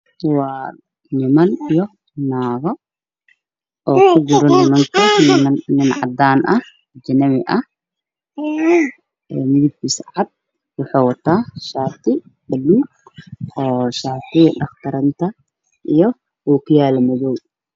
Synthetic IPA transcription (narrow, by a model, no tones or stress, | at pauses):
waː | nɪmɐnijɔ | naːɣɔ | ʔɔːkʰʊd͡ʒʊɾɔnɪmɐŋkʰɐnɪnɪnʕɑ̰d̪aːnʔɐh | d͡ʒɪnɐmɪʔɐh | ɛmɪðib̚isʕad̪̚ | wʊħaːwɐt̪ʰaːʃaːt̪ɪ | bɐlːuː | ɔːʃaːt̪ɪɖɐxt̪ʰɐɾɐnt̪ʰɐ | ʔijɔ | uːkʰɪjaːlɐmɐðɔw